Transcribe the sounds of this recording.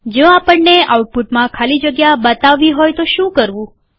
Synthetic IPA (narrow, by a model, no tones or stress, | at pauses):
d͡ʒõapəɳːeauʈ̚puʈmãkʰalid͡ʒəɡjabət̪aʋiɦojt̪oʃũkəɾʋũ